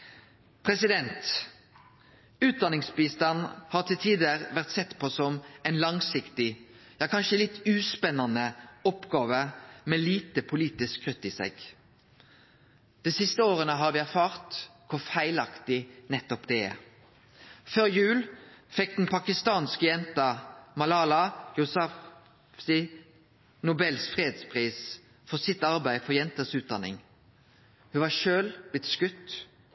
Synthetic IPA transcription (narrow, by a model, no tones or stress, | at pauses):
pʰʁɛsɪd̪ɛnt̪ | ʉːt̪̚d̪ɑnɪŋsbiːst̪ɑnːhɑːʁt̪ʰɪlt̪ʰiːd̪əʁʋæʁt̪sɛt̪ːpʰosɔmæɪnlɑŋsɪkt̪ɪ | jɑːkʰɑnʃəlɪt̪ːʉːspɛnːɑnəɔpɡɑːʋəmeːliːt̪əpʰʊliːt̪ɪskʰːʁʏt̪ːiːsḛːɡ | d̪̥ɛsɪst̪əoːʁənəɦɑʁʋɪːæʁfɑːʁt̪kʰʊfæɪlɑkt̪ɪnɛt̪ːɔpd̪ɛ | føːʁjʉːlfɛk̚d̪n̩pʰɑkɪst̪ɑːnskəjɛnt̪ɑmɑlɑːlɑjʊsɑ | fsɪ | nʊbɛlsfʁeːed̪spʰʁiːs | fɔʁsɪt̪ɑʁbæɪfɔʁjɛnt̪əsʉːt̪̚d̪ɑnɪ̰ŋ | hʉʋɑʃøːlb̥lɪt̪skʉt̪ː